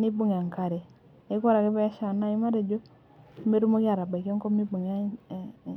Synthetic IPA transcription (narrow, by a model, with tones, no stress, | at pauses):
ni˦bu˦ŋ˨a˨ŋka˨ɾe˨ | e˦kʷa˦ɾa˨ke˦ba˦a˦ʃa˨na˦i˦ma˦ɾe˨d͡ʒo˦ | me˦ɾu˦mo˦ki˦a˨ɾa˨ba˨ki˦o˦ŋko˦mi˦bu˨ŋa˦